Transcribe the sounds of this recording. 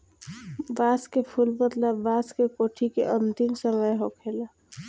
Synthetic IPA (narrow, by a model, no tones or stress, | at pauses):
baskepʰulbət̪labaskekoʈʰikeʔənt̪imsəməjɦokʰela